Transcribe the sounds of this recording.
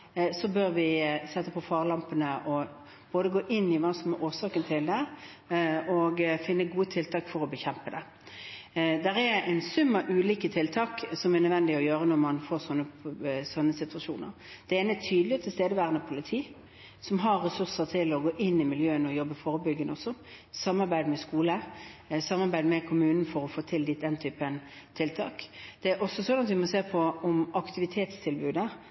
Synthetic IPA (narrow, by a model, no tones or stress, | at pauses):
sɔbøɾʋɪsɛt̪ːəpʰɔfɑːʁlɑmpənəʔɔ | b̥oːd̪əɡoːʔɪnːɪʋɑnsɔməʔoːʁsɑːkənt̪ʰɪld̪ɛ | ɔɡfɪnːəɡuːət̪ʰɪlt̪ʰɑːkfɔɾɔbəçɛmpəd̪ɛ | d̪ɛʁɛɛnsʉmːəʔʉːliːkət̪ʰɪlt̪ʰɑːksɔmɛnœd̪ʋɛnd̪ɪɔjøːɾənɔʁmɑnfoːʁsɔnːəsɔnːəsɪt̪ʋɑʂṵːnə̰ɾ | d̪̥ɛeːnət̪ʰyːd̪lɪt̪ʰɪlst̪eːd̪əʋæːʁənəpʰʊlɪt̪ʰiː | sɔmɦɑɾːɛsʉʁsəɾt̪ʰɪlɔɡoːʔɪnːɪmɪljøːənɔjɔbːəfoːɾəbʏɡːənɔsɔ | sɑmːɑɾbæɪd̪mɛskuːləsɑmːɑɾbæɪd̪mɛkʰʊmʉːnn̩fɔɾɔfoːt̪ʰɪld̪iːt̪̚d̪ɛnt̪ʰyːpən | t̪ʰɪlt̪ʰɑ̰ːkd̪̥ɛæɾʔɔsːɔsɔnɑt̪ʋɪmɔseːpʰɔɔmɑkt̪ɪʋɪt̪ʰeːt̪st̪ʰɪlbʉːd̪ə